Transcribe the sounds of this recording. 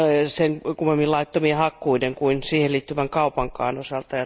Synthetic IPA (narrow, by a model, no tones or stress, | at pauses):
seŋkumːemːilɑit̪ːomiehɑkːuideŋkuinsiːhelliːt̪ːyʋæŋkɑupɑŋkɑ̰ːnosɑlt̪ɑjɑ